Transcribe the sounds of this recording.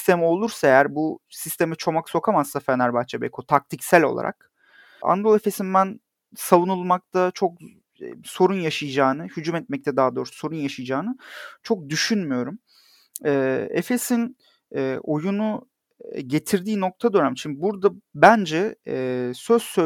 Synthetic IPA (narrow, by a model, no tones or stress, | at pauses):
ist̪ʰe̞mio̞lˠuɾsaejæɾbusist̪ʰe̞mit͡ʃʰo̞makso̞kʰamazsafenæɾbat͡ʃʰebḛkʰot̪ʰak̚t̪ʰicsælʲo̞̰lˠa̰ɾʔa̰k̚ | a̰nɾolˠe̞fesinbæn | savunulˠmak̚t̪ʰat͡ʃʰo̞k | so̞ɾunjaʃɯjɯd͡ʒaːnɯhyd͡ʒumɛt̪mɛc̚t̪ʰɛd̪aɦad̪o̞ːɾso̞ɾunjaʃɯjɯd͡ʒaːnɯt͡ʃʰo̞k̚d̪yʃynmyjo̞ɾum | ɛːḛfe̞sin | ɛo̞junu | ɟe̞t̪ʰiɾd̪iːno̞k̚t̪ʰad̪ønæmt͡ʃʰymbibuɾd̪abænd͡ʒɛː | søz̥sø